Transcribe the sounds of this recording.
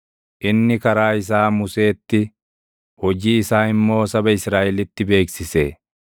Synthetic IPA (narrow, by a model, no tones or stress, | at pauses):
ʔɪnːɪkɐɾaːɪs̬aːmʊse̞ːt̪ːɪ | hɔd͡ʒiːɪsaːɪmːo̞ːsɐbɐɪsɾaːʔɛlɪt̪ːɪbe̞ːksɪse